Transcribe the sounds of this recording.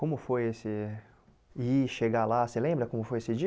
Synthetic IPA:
kõmʊfojesɪ | iʃeɡalaselẽmbɾɐkõmʊfojesɪd͡ʒi

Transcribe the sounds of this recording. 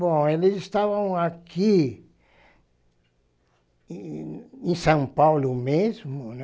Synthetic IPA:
bõelɪzɪst̪avɐ̃w̃aki | ẽsɐ̃w̃pawlʊmezmʊn

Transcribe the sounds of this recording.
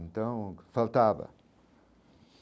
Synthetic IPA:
nt̪ɐ̃w̃falˠt̪avɐ̰

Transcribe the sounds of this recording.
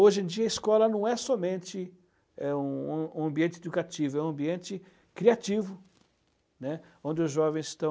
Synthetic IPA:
oʒẽd͡ʒiɐiskɔlɐnɐ̃w̃ɛsɔmẽnt͡ʃɪ | ɛũũɐ̃mbiẽnt͡ʃɪed̪ukat͡ʃivʊɛũɐ̃mbiẽnt͡ʃɪ | kɾiat͡ʃivʊ | nɛõnd͡ʒɪʊzʒɔvẽj̃st̪ɐ̃

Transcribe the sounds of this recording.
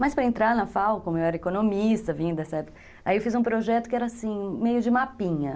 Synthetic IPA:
mɐspɾɐẽnt̪ɾaɾnɐfawkõmʊewɛɾɐekonomist̪ɐvĩɲd̪ɛsɐɛpʊkkɐ | aiewfizũpɾoʒɛt̪ʊkɪɛɾɐasĩmejʊd͡ʒɪmapĩɲɐ

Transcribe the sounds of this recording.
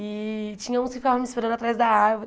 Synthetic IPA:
ɪt͡ʃĩɲɐ̃ũskɪfikavɐ̃mispeɾɐ̃nd̪at̪ɾazd̪ɐaɾvo

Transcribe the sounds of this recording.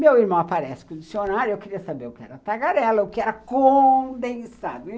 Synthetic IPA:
mewiɾmɐ̃w̃apaɾɛsɪ̥kõd͡ʒisionaɾjʊewkɪɾiɐsabeɾʊkɪɛɾɐt̪aɡaɾɛlɐʊkɪɛɾɐkõd̪ẽsad̪ʊ

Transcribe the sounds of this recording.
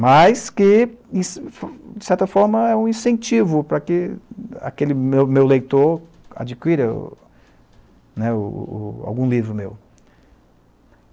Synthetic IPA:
majskɪĩsfd͡ʒɪsɛɾt̪ɐfɔɾmɐɛũĩsẽnt͡ʃivʊpɾɐkɪa̰kelɪmewmewlejt̪oɾ | a̰d͡ʒikwiɾɐ | nɛʊ̰a̰wɡũlivɾʊmḛw

